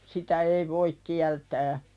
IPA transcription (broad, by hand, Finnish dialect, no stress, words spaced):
sitæ ei ʋoik kiæltæː